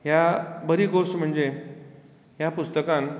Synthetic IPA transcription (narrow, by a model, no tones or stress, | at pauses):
jabəɾiːɡosʈm̤əɳd͡ze | ɦjapust̪əkãn